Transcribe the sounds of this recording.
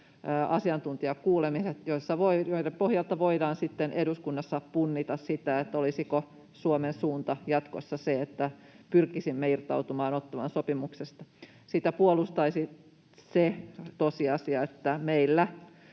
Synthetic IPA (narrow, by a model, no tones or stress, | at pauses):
ʔɑsiɑnt̪unt̪iɑkkuːlemiset̪joisːɑʋoijoiɾempohjɑlt̪ɑʋoidɑːnsit̪ːenʔeduskunːɑsːɑppunːit̪ɑssit̪æet̪ːolisiko | suomensuːnt̪ɑjɑt̪kosːɑseet̪ːæ | pyrkisimːeirt̪ɑut̪umɑːnot̪ːɑʋɑ̰nsopimuksest̪ɑ | sit̪æpuolust̪ɑisi | set̪osiɑsiɑet̪ːæmeilːæ